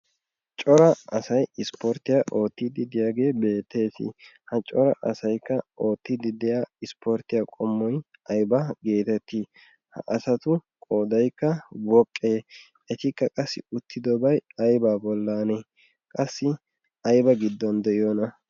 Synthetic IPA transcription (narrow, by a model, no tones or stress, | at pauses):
t͡ʃʼɔɾɐɐsɐjɪspɔɾt̪ɪjaʔo̞ːt̪ːɪd̪ɪd̪ɪjaːɡe̞ːbe̞ːt̪ːe̞ːsɪ̰hɐt͡ʃʼɔɾɐʔɐsɐjkːɐo̞ːt̪ːɪd̪ɪd̪ɪjaːɪspʰɔɾt̪ɪjaːkʼɔmːɔj | ʔɐjbɐɡe̞ːt̪ɛt̪ːi | hɐ̰ʔɐsɐt̪ʊkʼoːd̪ɐjkːɐwɔkʼːeː | ʔɛt̪ɪkːɐkʼɐsːɪ̰ʊt̪ːɪd̪ɔbɐjɐjbaːbɔlːaːne | kʼɐsːɪ | ʔɐjbɐɡɪd̪ːɔnd̪ɛɪjoːnɐ